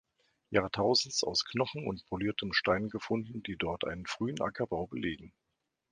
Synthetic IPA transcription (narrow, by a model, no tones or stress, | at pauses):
jaːɐtʰaʊzn̩t͡sa̰ʊskʰnɔχn̩ʊ̰ntpʰoliːɐtʰəmʃtaɪnɡəfʊndn̩diːdɔɐtʔa̰ɪnənfʁ̥yːənʔa̰kʰɐbaʊbəleːɡŋ̩